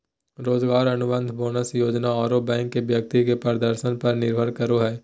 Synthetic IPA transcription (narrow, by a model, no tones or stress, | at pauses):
ɾoːzɡaːɾɐnʊbə̃nd̪ʱboːnəsjoːd͡ʒnaɔːɾobɛ̃ːŋkːebjɐk̚t̪ikepɐɾd̪əɾʃənpɐɾnɪɾbʱəɾkɐɾoɦɛː